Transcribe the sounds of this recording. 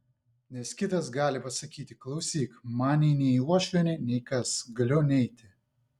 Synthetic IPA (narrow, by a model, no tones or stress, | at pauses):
nʲɛskʲɪt̪ɐsɡɑːlʲɪpɐsɐkʲiːt̪ʲɪklˠɐʊsʲiːkmɑːnʲiːnʲɛiuɔʃʲɛnʲɪnʲɛɪkɐsɡɐlʲonʲɛɪt̪ʲɪ